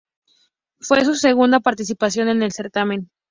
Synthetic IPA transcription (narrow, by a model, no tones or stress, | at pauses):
fwe̞s̬use̞ɣund̪apaɾt̪is̬ipasjo̞ne̞ne̞lse̞ɾt̪amẽ̞n